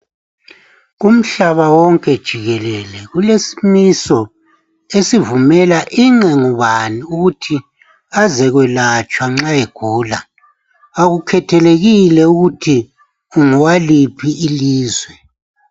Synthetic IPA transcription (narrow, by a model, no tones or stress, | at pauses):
ɣum̩ɬaβawɔŋkʼɛd̥ʒ̥ʱiɣɛlɛlɛɣulesi̥misɔ | esivumɛlaʔiŋ͡ǁɛŋuβaniuɣutʰi | azɛɣwɛlat͡ʃʼwaŋ͡ǁajeɡ̥ʱuːla | aɣukʰɛtʰɛleɣilɛuɣutʰi | uŋɔwalipʰiʔːliːzwɛ